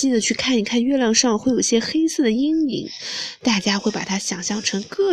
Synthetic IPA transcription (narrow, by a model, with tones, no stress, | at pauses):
i˥˩nd̪ə˩t͡ɕʰy˥˧kʰa˥˩ni˨˥˩kʰa˥˧nɥɛ˥˧ljɑ˥˧ŋʂɑ˥˧ŋ˧wjo˨˩i˥˩ɕjɛ˥xe˥ɪsɹ̩˥˩d̪ə˩i˥ŋḭ˧˥ŋt̪a˥˩t͡ɕja˥xwe˥˩ɪpa˨˩t̪ʰa˥ɕjɑ˨˩ŋɕjɑ˥˩ŋʈ͡ʂʰɤ˧˥ŋkɤ˥˩